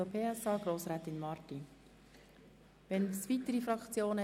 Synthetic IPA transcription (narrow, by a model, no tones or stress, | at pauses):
opʰeːɛsɑːɡ̥ɾoːsɾaːt̪ɪnmɑːɾti | ʋɛnsʋit̪əɾifɾɑkt͡sjoːnə